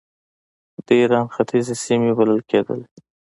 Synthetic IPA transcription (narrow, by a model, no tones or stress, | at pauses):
d̪əiɾɑnxat̪ʰizesimebaləlked̪ə̰l